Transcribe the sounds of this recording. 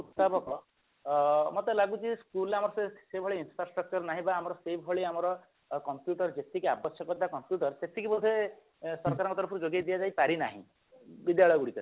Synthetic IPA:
ut̪ːapɔkɔ | mɔt̪elaɡut͡ʃʰiskulamɔɾɔsesebʱɔɭiinfɾasʈɾɔk̚t͡ʃɔɾnaɦĩbaːmɔɾɔsejbʱɔɭiamɔɾɔ | kɔmpjuʈɔɾd͡ʒet̪ʰikiabɔsjɔkɔt̪akɔmpjuʈɔɾt̪et̪ʰikibod̪ʱːe | sɔɾkaɾɔ̃ŋkɔt̪ɔɾɔpʰɔɾud͡ʒoɡjajd̪ijad͡ʒajpaɾina̰ɦḭ̃ | bid̪jaɭɔjɔɡuɽik̪ɔ

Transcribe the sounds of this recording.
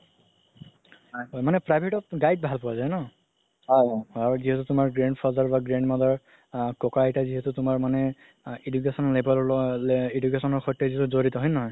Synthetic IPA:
ɔjɦɔjmanɛpɹajbʱeʈɔp̚ɡajd̚bʱalpɔwazajnɔ | ɦɔjɔjɦɔaɹuziɦɛtutʊmaɹɡɹeɳɖpʰɔzaɹbaɡɹeɳɖmazɔɹ | kɔkaetaziɦɛtutʊmaɹmanɛ | idukesɔnɔlebɛlɔ | idukesɔnɔɹxɔjtːɔziɦɛtuzoɹitɔɦɔjnɔɦɔj

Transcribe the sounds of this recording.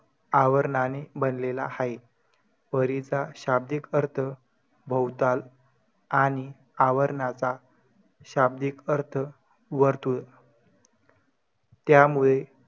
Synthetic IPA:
aʋəɾɳanebənlela̰haj | əɾit͡saɕab̚d̪ikəɾt̪ʰə | bʱəwt̪al | aɽ̃i | aʋəɾɳat͡sa | ɕab̚d̪ikəɾt̪ʰə | ʋəɾt̪uːl | t̪jamuɭe

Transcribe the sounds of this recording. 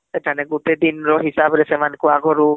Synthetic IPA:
etʰanɛɡutedinɹɔɦisabɾɛsɛmankʊaɡʱɔɹu

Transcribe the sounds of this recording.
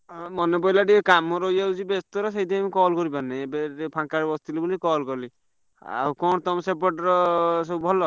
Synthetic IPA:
mɔnebɔjlaɖikamɔɾɔjausibest̪ɔɾɔsejd̪ʱiamikɔlkɔɾibanɛbeɾepʰaŋkaɾbɔst̪ilibulikɔlkɔli | a̰ɦukɔ̃t̪ɔmsepɔʈɾɔsɔbʱɔlɔ

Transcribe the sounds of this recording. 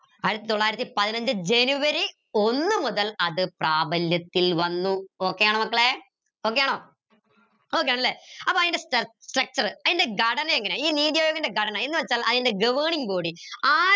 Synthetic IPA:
ɐjɾut̪ːit̪oɭːaːjɾɐt̪ːipɐðinɐɲd͡ʑɨd͡ʑenuʋɐɾi | o̞nːɨmuðɐlɐðɨpraːbɐljɐt̪ːilʋɐnːuo̞ːkːe̞jaːɳoːmɐkːɐɭe | o̞ːkːejaːɳoː | oːkːejaːɳɐlːeːɐpːoɐðinde̞sʈɐsʈrɐk̚t͡ɕɐrɨɐðinde̞ɡɐɽɐnɐeŋːɐneiːniːðjɐjoːɡɐndeɡɐɽɐnaːenːɨʋɐt͡ɕːaːlɐðinde̞ɡɐʋɐɳiŋboːɽiaː

